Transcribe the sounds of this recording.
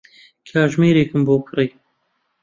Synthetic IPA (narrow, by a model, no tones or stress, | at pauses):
kʰaːʒmiːɾeːkɨmboːkʰɨɾiː